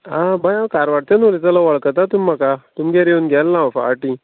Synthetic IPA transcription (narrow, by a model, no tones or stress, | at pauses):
ãbajakaɾʋaʈ̚t̪anolit͡səlaʋəɭkət̪̬at̪umːakat̪umɡɛɾenɡʱɛlːaʋfa̰ːʈi